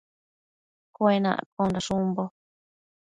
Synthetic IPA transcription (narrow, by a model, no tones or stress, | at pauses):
kwenã̰ʔkõnɾaʂumbo